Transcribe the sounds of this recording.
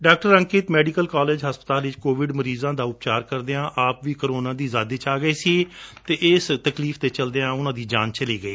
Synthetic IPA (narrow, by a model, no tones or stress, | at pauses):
ɖaːk̚ʈəɾə̃ŋkɪːt̪mɛːɖɪkəlkaːleːd͡ʒɦəspət̪aːlʋɪt͡ʃkoːʋɪɖməɾiːzãːd̪aːʊp̚t͡ʃaːɾkəɾd̪eːãːʔaːpʋiːkəɾoːnãːd̪iːzaːd̪eːt͡ʃaːɡəeːsit̪eːʔɪst̪əkliːft̪eːt͡ʃəld̪eːãːʊnãːd̪iːd͡ʒaːnt͡ʃəliːɡəeː